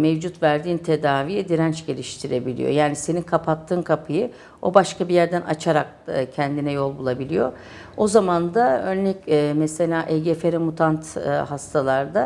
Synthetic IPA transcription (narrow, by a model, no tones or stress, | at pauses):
mevd͡ʒut̪væɾd̪iːnt̪ʰe̞d̪aːvijɛd̪iɾænt͡ʃɟe̞lʲiʃt̪ʰiɾe̞bilʲḭjo̰jaːnise̞ninkʰapʰat̪ʰːɯːnkʰapʰɯjɯ | o̞baʃkabijæɾd̪ænʔat͡ʃʰaɾak̚ | cʰɛnd̪inɛjo̞lˠbulˠabilʲijo̞̰ | o̞zamand̪aønlʲɛcɛmɛse̞lʲaːʔɛɟefeɾɛmut̪ʰant̪hast̪ʰalˠaɾd̪a